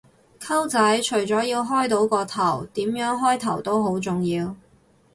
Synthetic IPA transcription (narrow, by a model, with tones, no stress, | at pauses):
kʰɐ˥wt͡sɐ˨˥jt͡ʃʰɵ˨˩ɥt͡sɔː˨˥jiː˧wɦɔː˥jt̪o˨˥wkɔː˧t̪ʰɐ˨˩wt̪iː˨˥mjœː˨˥ŋɦɔː˥jt̪ʰɐ˨˩wt̪o˥wɦo˨˥wt͡sʊ˨ŋjiː˧w